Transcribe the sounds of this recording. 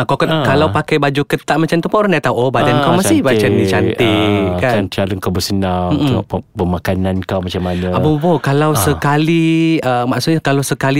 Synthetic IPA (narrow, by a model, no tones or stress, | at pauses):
akakkalawpakajbad͡ʒukət̪aʔ̚mat͡ʃamt̪əmpaɾandajt̪auʔobadankawmasibat͡ʃanit͡ʃant̪ikaannt͡ʃaləŋkabəsənaŋm̩tmŋɔ̰ʔbəmakanankawmat͡ʃamanəabubakalawsəkaliəmaʔsʊt̪̚ɲakalawsəkali